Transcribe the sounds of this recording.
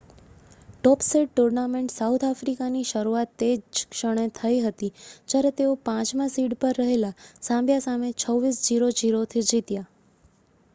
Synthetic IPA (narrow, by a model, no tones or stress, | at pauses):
ʈɔpseɖ̚ʈuɾnameɳʈsawt̪ʰafɾikaniʃəɾuat̪ːekʃəɽ̃et̪ʰəiɦət̪id͡ʒjaɾet̪eopãt͡ʃmãsiɽpəɾːəɦelasãmbjasamet͡ʃʰəʋːisd͡ʒiɾod͡ʒiɾot̪ʰid͡ʒit̪ja